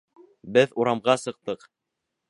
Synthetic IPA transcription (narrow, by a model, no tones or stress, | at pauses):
bɘðuɾɑmʁɑsɤ̆q̚t̪ɤq